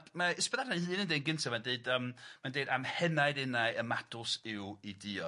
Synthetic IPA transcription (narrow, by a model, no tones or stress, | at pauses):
maɪspɛðadaiːnəndedɡɪntʰamandeɨdəmmandeɨdamhɛnaɨdɪnaɨəmadʰʊsɪwidɪɔ